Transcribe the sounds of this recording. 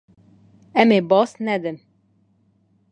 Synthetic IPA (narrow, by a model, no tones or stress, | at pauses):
æmebɑsnæd̪ɘm